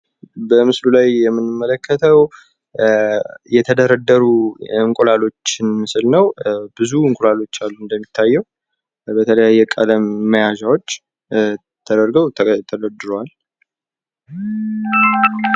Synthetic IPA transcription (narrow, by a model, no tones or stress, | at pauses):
bəmɨslulajjɛmːɨnɨmːələkʰːət̪ʰəw | jɛt̪ʰəd̪əɾəd̪ːəɾuɨŋkʼulalo̞t͡ʃːɪnmɨsɨlnəwbɨzuɨŋkʼolalo̞t͡ʃːalːuɨnd̪əmːit̪ʰːajːɛw | bət̪ʰələjajːɛkʼələmːəjaʒawo̞t͡ʃː | t̪ʰəd̪əɾɡəwt̪ʰət̪ʰəd̪əd̪ɨɾowal